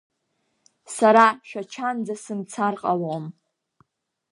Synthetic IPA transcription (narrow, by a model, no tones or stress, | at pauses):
saɾaʃᶣat͡ʃʰand͡zasɨmt͡sʰarqʼalam